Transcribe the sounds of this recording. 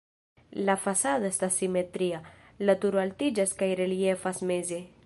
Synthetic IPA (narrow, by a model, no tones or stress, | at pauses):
lafasaðoest̪asːimet̪ɾia | lat̪uɾoalt̪id͡ʒaskajɾeliefasmeze